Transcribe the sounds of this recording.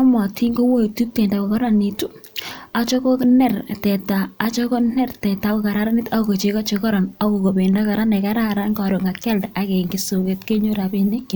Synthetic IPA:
a˦mɔ˨tʰi˦ŋɡo˦wo˦i˨tu˦k̚te˨nda˨ko˨kɔ˦ɾa˨ni˨tu˦a˦t͡ʃɔ˦ko˦knɛ˦˨rtɛ˨taː˨˦t͡ʃɔ˦ko˦nɛ˦rtɛ˨ta˨˦ko˨ka˨ɾa˦ɾa˦ni˦ta˦o˨ko˨t͡ʃe˨˦ka˦t͡ʃe˧kɔ˦ɾɔ˨na˦ko˨ko˨be˨nda˦ka˨ɾa˦ne˨ka˦ɾa˦ɾa˦ŋkɔ˨ɾo˨ŋa˨kɛ˦lda˨ke˨ŋɡi˨so˨ke˨tke˦ɲo˦ɾa˨be˦ne˦

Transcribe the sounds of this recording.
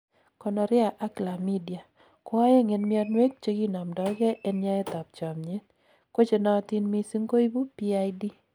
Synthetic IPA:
kɔ˨nɔ˨ɾɪ˦a˨ʔa˦kla˨mi˦di˨a˨ | kɔ˦a˦je˦ŋe˨nmɪɔ˦tnwe˦k̚t͡ʃe˦ɡi˦na˨mdɔ˨˦ɡɛ˦ʔɛ˦nɲa˦ɛ˦t̪a˨p̚t͡ʃa˨mɲe˦t̪̚ | kwo˦t͡ʃe˨nɔ˨˦t̪i˦nmi˨si˦ŋɡo˦i˦bu˦pi˦a˦jdi˦

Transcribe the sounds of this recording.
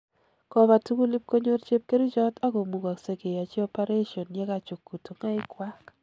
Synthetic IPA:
kɔ˨βa˨tu˦ku˦li˦p̚ko˦ɲo˦rt͡ʃe˦p̚ke˦ɾi˦d͡ʒɔ˦ta˦ko˨mu˨ɡa˨kse˨ɡe˨ja˨t͡ʃɛ˦ɔ˦pa˦ɾe˦ʃɔ˨nɲɛ˦ka˨t͡ʃu˨kːu˨to˨ŋa˦ɪ˦kwa˦k

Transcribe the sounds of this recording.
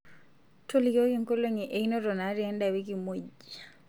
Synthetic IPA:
to˦li˨ko˦kiŋko˦loŋiʔe˨i˦no˦ɾɔ˨na˨˦ɾiɛ˦ndawi˦k̬i˨mo˨ɟ

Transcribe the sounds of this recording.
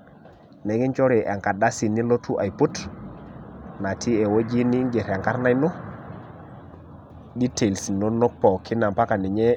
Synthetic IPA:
ne˨ɡi˦nt͡ʃo˦ɾi˨ʔa˨ŋka˨da˦si˨ni˦lo˦tu˦ʔa˨jpu˦t | na˨tʰi˦ɛ˨wo˦d͡ʒi˦ni˦ŋɡe˨ɾa˨ŋka˦ɾna˦jno˦ | di˦te˨lsi˨no˦no˦k̚pɔ˨kʰi˦na˨mpa˦ka˨ni˨ɲɛ˦

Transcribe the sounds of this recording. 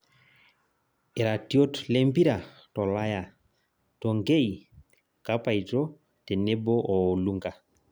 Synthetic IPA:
e˨ɾa˨tjo˦tlɛ˦mbi˦ɾa˨ | tɔ˨la˦ja˨ | tɔ˨ŋɡe˦i˨ | ka˦pa˨i˨tɔ˦ | te˨ne˦bɔ˦ʔɔ˨lu˦ŋɡa˨

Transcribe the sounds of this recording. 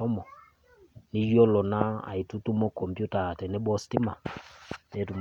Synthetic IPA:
ɔ˦mɔ˨ | ni˦jɔ˦lɔ˨na˦a̰˨i˨tu˦tu˦mɔ˦kɔ˨mpju˦ta˨tɛ˨ne˦bɔ˦sti˦ma˨ne˨˦tu˨m

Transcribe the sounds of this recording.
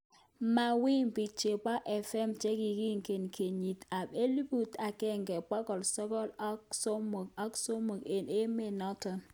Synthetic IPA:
ma˨wi˦ŋpi˨t͡ʃe˨pa˦ʔɛ˨fɛ˦˨mt͡ʃe˦ki˨ki˦ŋ˨ke˨nkʰe˨ɲi˨ta˨be˦li˦bu˨ta˨kɛ˦˨ŋɡɛ˨k͡pɔ˦kɔ˨lsɔ˦kɔ˦lɔ˦ksɔ˦mo˨kɔ˦kso˦mo˨ke˨ne˦me˦nɔ˦tɔ˨n

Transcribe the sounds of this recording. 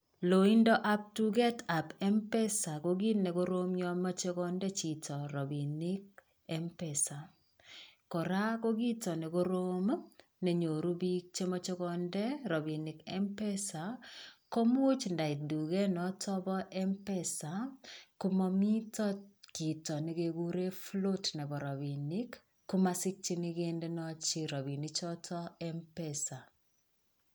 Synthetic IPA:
lo˨i˦ndɔ˦ʔa˦p̚tu˦ɡɛ˦ta˨pɛ˦mpɛ˦sa˨ɡo˦ɡi˦nɛ˨ɡo˦ɾo˦mjɔ˦ma˦t͡ʃe˦ɡɔ˦ndɛ˦t͡ʃi˨tɔ˨ɾɔ˨bi˨nɪ˦k̚ | ɛ˦mpɛsa˨ | kɔ˨ɾa˦ko˦ɡi˦tɔ˨nɛ˨ɡo˦ɾo˦m˦ | ne˨ɲo˨ɾu˦bi˦k̚t͡ʃe˦mɔ˦t͡ʃe˦ɡɔndɛ˦ɾɔ˨bi˨nɪ˨kɛ˦mpɛ˦sa˨ko˦m˦o˦t͡ʃnda˨ɪ˨du˨ɡɛ˦nɔ˦tʰɔ˦bɔ˦ʔɛ˦mpɛ˦sa˨ko˦mɔ˦mi˦tɔ˦ki˨tɔ˨nɛ˨ɡe˨ɡu˦ɾe˦flo˦tnɛ˨bɔ˨ɾɔ˨bi˨nɪ˦kː | u˦ma˦sɪ˦k̚t͡ʃi˦ni˦ɡe˦ndɛ˦nɔ˦t͡ʃi˦ɾɔ˨bi˨ni˦t͡ʃɔ˦tʰɔ˦ɛ˦mpɛsa˨

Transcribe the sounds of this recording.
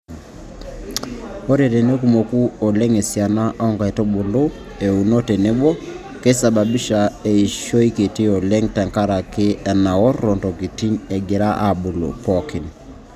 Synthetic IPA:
o˦ɾe˨ɾe˨ne˦ku˨mo˨ku˦ɔ˨lɛ˦ŋe˨sja˨na˦ʔɔ˦ŋɡa˨ɛ˨tɔ˦bo˨lo˦ | e˨u˨nɔ˦te˨ne˦bɔ˦ | ke˦sa˨ba˨bi˦ʃa˨e˨i˨ʃo˦i˦ke˨ti˦ɔ˨lɛ˦ŋta˨ŋka˦ɾa˨kɪ˦ɛ˨na˨wɔː˦ɔ˨ntɔ˨ki˨ti˦ɲɛ˨ɡɪ˨ɾa˦ʔa˨bo˨lo̰˨pɔ˨kɪ˨n

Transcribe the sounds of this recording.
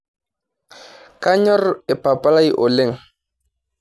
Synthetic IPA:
ka˦ɲɔ˦re˨pa˨pa˦la˦jʔo˨le˦˨ŋ

